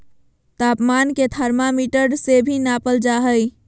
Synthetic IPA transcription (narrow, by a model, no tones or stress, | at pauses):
t̪apmanket̪ʰəɾmamiʈəɾɖsebʱinapəld͡ʒaɦəj